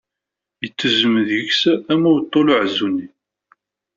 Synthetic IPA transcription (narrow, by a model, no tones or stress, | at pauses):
jət͡sːəzəmðjəçsæmæwt̪ˤːolʊʕzːunːi